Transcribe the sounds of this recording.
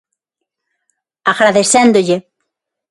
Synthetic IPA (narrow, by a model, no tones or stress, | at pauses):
aɣɾaðeθend̪ʊʎe